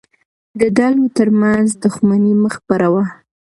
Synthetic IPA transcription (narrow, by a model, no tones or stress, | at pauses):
d̪əd̪ɑlot̪əɾmanzd̪ʊxmaniməxpaɾawa